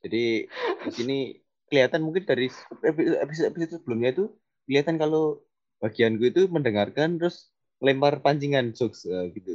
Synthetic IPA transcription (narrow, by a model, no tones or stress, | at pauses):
d͡ʒ̥adiisini | kəliat̪anmuŋkɪndaɾispiepist̪episot̪̚səb̥əlʊmɲait̪u | kəliat̪ankalo | b̥aɡ̥iankuit̪uməndəŋarkant̪ɾʊs | ŋlɛmparpaɲt͡ʃiŋand͡ʒɔksəɡ̥it̪u